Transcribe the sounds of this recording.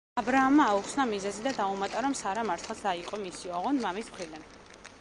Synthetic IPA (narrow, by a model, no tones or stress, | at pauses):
abɾaːmːaːuχsnamizɛzid̪ad̪aumat̪ʼaɾɔmsaɾamaɾt̪ʰχasd̪aiqʼɔmisiɔʁɔnmamismχɾid̪an